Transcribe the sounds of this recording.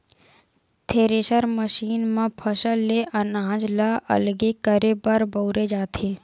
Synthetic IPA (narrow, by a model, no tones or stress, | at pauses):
t̪ʰeːɾeʃəɾməʃiːnmãpʰəʃəleʔənãːd͡ʒlaʔə̰lɡekəɾebəɾbəʊɾed͡ʒaːt̪ʰeː